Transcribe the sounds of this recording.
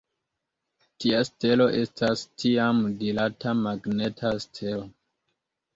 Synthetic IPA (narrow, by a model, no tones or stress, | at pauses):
tiaste̞lo̞ʔe̞stʰastʰiamdilatamaɡne̞tʰastʰelo